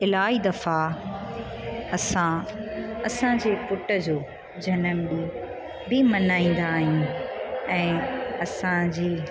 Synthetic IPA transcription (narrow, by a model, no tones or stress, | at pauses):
ɪlaːid̪ɐfa | ɐsã | ɐsãd͡ʑeːpʊʈəd͡ʑoː | d͡ʑʱɐnəmbi | bɪmɐnaːĩːn̆d̪aːɦiũ | ɛ̃ːɐsãd͡ʑiː